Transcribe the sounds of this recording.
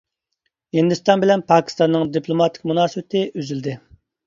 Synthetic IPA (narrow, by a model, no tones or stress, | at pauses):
hind̪yst̪ɑnbɪlɛnpʰɑːkʲi̥st̪ɑnːɨŋd̪ipʰlˠomɑt̪ʰɪ̥kʲmunɑːsɨbɪt̪ʰɪʔøzyld̪ɪ